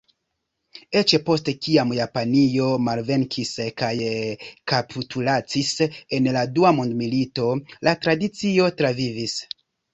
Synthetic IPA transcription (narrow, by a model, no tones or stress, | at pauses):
e̞t͡ʃepo̞stekiamjapanio̞malve̞ŋkʰiskajkapʰitʰulat͡sise̞nladuamondmilito̞latɾadit͡sio̞tɾavivis